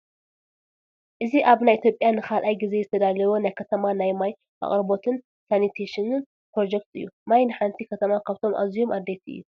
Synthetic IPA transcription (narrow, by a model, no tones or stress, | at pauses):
ʔɨziʔaβnajʔit̪ʰjo̞pʼjanɨkʰalʔajɡize̞zɨt̪ʰɐd̪alɐβonajkʰɐt̪ʰɐmanajmaj | a̰χʼɾɨbo̞t̪ʰɨn | sanit̪ʰeʃinɨn | pɾo̞d͡ʒek̚t̪ʰɨ̰jːṵmajnɨħant̪ʰikʰɐt̪ʰɐmakʰaβt̪ʰo̞mʔa̰zijomʔad̪ːet̪ʰɨ̰jːu